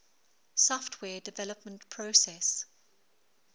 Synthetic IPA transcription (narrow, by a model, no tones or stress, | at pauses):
sɔftʰwɛːdɪvɛləp̚mə̃ntpʰɹosɛs